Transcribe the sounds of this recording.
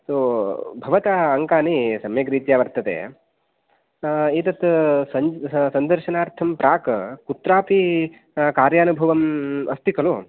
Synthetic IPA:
soːbʱɐʋɐt̪aɐŋkaːnisɐmjɐkɾiːt̪jaːʋɐɾt̪ɐt̪ḛː | it̪ɐt̪sɐɲsɐnd̪ɐɾʃɐnaːɾt̪ʰɐmpɾaːkɐkut̪ɾaːpi | kaːɾjaːnubʱɐʋɐmɐst̪ʰikɐlo

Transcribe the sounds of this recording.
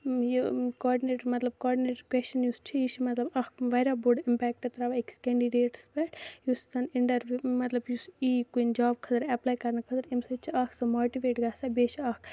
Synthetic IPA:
jikɔːɾɖineːʈmɐt̪lɐb̚kɔːɾɖineːʈkwɛst͡ʃɐnjust͡ʃʰijiʃʰimɐt̪lɐbɐkʰʋɐjɾabuɖimpɛːk̚ʈɐt̪ɾaːʋaekskeːɳɖiɖeːʈspɛʈjussɐnɪɳʈɐɾʋumɐt̪lɐbjusiːkuind͡ʒaːbkʰɐt̪ɐɾɛplaːjkɐɾnkʰɐt̪ɐɾimsɐt͡ʃʰiɐkʰsɐmoːʈiʋeːʈɡaːsabeːt͡ʃʰɐkʰ

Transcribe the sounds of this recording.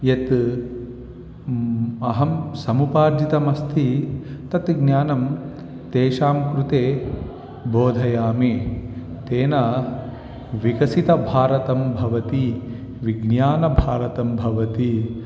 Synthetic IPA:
jet̪ | ɐɦɐmsɐmupaːɾd͡ʒit̪ɐmɐst̪ʰit̪ɐt̪ɡnjaːnɐm | t̪eːʃaːmkɾut̪eː | boːd̪ʱɐjaːmi | t̪eːna | ʋikɐsit̪ɐbʱaːɾɐt̪ɐmbʱɐʋɐt̪i | ʋiɡnjaːnɐbʱaːɾɐt̪ɐmbʱɐʋɐt̪i

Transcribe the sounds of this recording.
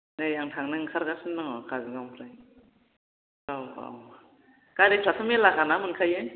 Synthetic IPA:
nɯjaŋtʰaŋnɯŋkʰaɾkasɯnːɯŋɔkʰazɯɡampʰɾaj | awa̰w | kaɾetʰatʰɯmelakanamɯnkʰajɯ

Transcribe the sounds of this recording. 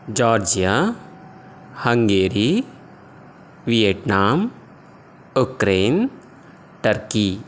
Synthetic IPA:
d͡ʒɔːɾd͡ʒija | hɐ̃ŋɡeːɾi | ʋijeʈnaːm | ʊkɾeːn | ʈəɾkiː

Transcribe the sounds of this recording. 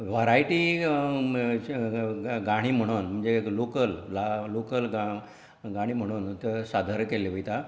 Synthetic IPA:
ʋaɾajʈi | ɡaɽ̃iːm̤əɽ̃unm̤əɳd͡zelokəllalokəlɡa | ɡaɽ̃iːm̤əɽ̃uːnt̪esad̪ʱəɾkeleʋəjt̪a

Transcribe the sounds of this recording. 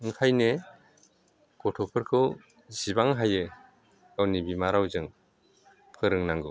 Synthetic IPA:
ɯŋkʰajne | ɡ̥ɔtʰɔpʰɯɾkʰɯw | zibaŋɦajɯ | awnibimaɾawzɯŋ | pʰɯɾɯŋnaŋɡɯ

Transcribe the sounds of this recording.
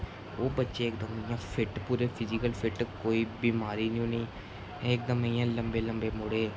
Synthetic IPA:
oːbətːʃeːɪkd̪əmjãːpʰɪʈpuːɾeːpʰɪzɪkəlpʰɪʈkoːiːbiːmaːɾiːniũːnəĩː | ɛ̃ɪk̚d̪əmejãːləmbeːləmbeːmʊɽeː

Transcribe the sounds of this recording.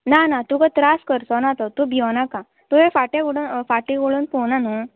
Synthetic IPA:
nanat̪ukat̪ɾaskəɾt̪ɔnat̪ɔt̪ubʱiwnakã | t̪uɦefaʈeɡoɽunfaʈĩɡoɽuːnpownanu

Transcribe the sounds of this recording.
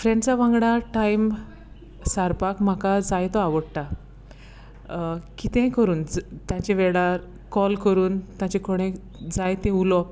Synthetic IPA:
fɾẽɳɖt͡saʋãŋɡɽaʈajm | saɾpakm̤akad͡zajt̪ɔaʋəɽt̪a | kit̪ɛ̃kəɾuːnt̪jãt͡ɕeʋeɭaɾ | kɔlkəɾuːnt̪jãt͡ɕekoɽ̃ẽ | d͡zajt̪ẽulɔ

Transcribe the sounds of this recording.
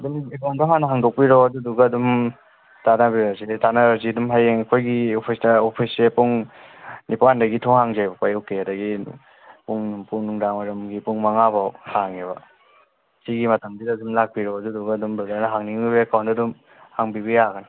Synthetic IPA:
ɐdumekawndɔɦanɐɦaŋdɔk̚piɾoɐduduɡɐːdum | tanabiɾazitanaɾazidumɦajeŋekʰojɡiopʰisdɐopʰisepuŋ | nipandɐɡitʰɔŋhaŋzajbɐpajɔwkːeɐdɐɡi | puŋnumpunuŋɾaŋaɾɐmɡipuŋmaŋabawhaŋeβɐ | siɡimɐtʰɐŋdidadumlak̚piɾɔɐduduɡaːdumdudaɾnaɦaŋniŋbibeekawndadum | haŋbiβɐjaɡɐna

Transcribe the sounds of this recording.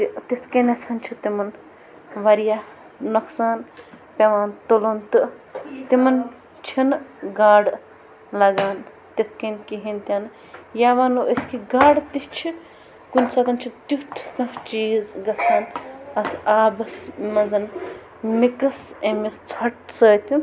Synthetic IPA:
t̪it̪it̪ʰkenɐt̪ʰɐnt͡ʃʰit̪imɐn | ʋɐɾjaː | ɐksaːn | pʲeʋaːnt̪olont̪ɨt̪imɐn | t͡ʃʰinɡaːɽ | lɐɡaːn | t̪it̪ʰkenkiɦinʲt̪ʲɐn | jaːʋaːnuʔəskiɡaːɽt̪it͡ʃʰi | kunʲsɐːt̪ɐnt͡ʃʰit̪jut̪ʰkɐ̃t͡ʃiːzɡɐt͡sʰaːnɐt̪ʰaːbɐsmɐzɐn | mikɐsemist͡sʰɐʈsəːt̪u

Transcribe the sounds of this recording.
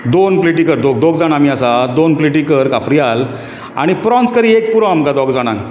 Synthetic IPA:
d̪onpliʈikəɾd̪oɡ̚d̪oɡd͡zaɽ̃amiːasad̪onpliʈikəɾkafɾial | a̰ɽ̃ipɾɔnt͡skəɾiek̚puɾə̃amkad̪ɔɡd͡zaɽ̃ã̰ŋ

